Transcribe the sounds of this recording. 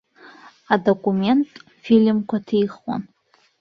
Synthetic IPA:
adokʼume̞ntʼ | filmkʷʰatʰijχwa̰n

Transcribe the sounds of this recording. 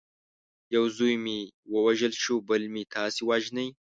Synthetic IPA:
jawzujmiwəwaʒəlʃubəlmit̪ʰaːsiwaʒnəj

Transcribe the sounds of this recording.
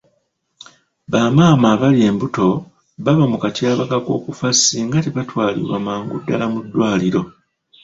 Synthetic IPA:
βaːmaːmaːβalie̞mbuto̞ | βaβamukatjaːβakako̞ːkufasiŋɡateβatwaːlḭβwa̰maːŋɡṵdːalamudːwaːliɾo̞

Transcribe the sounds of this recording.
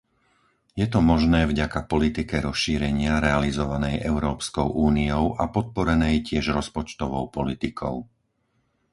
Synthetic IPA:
jɛt̪ɔmɔʒnɛːvɟakapɔlit̪ikɛɾɔsʃiːɾɛɲɪaɾɛalizɔʋanɛjʔɛʊɾɔːpskɔʊʔuːniɔʊʔapɔt̪̚pɔɾɛnɛjcɪɛʒɾɔspɔt͡ʃt̪ɔʋɔʊpɔlit̪ikʰɔ̰ʊ

